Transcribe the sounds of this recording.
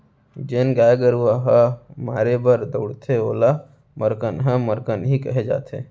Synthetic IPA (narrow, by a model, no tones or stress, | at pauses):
d͡ʒeːnɡaːjɡəɾuaɦamaːɾebəɾd̪əʊɽt̪ʰeoːla | məɾkənɦə̃məɾkənɦikəɦed͡ʒa̰ːt̪ʰḛː